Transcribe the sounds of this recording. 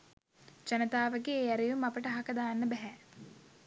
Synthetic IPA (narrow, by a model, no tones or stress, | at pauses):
d͡ʒanət̪aːʋəɡeːɛɾijumapəʈəɦakəd̪aːnːəbɛɦɛ